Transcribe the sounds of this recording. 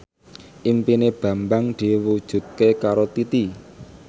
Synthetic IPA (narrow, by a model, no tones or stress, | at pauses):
ʔimpineb̥ä̤mbaŋd̪̥i̤wud̥ʒ̥ṳt̪̚kekaɾot̪it̪i